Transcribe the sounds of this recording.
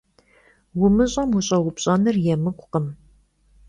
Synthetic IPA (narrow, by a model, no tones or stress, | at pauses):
wʊmɨɕʼɐmwʊɕʼɐwʊpɕʼɐnɨrjɛmɨkʷʼʊqəm